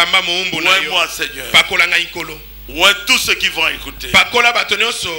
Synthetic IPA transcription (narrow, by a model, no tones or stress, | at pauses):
ambamoumbonawɛ̃mãsɛɲɛbakolaŋɡaikolo | wɛ̃tusekivɔ̃ekutebakolabatonɔ̃nsɔ